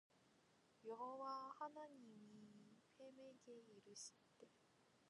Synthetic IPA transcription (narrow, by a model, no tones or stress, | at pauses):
joɦoβahanaɲimʲiipʰemeɡeiɾɯɕi̥t̪ːe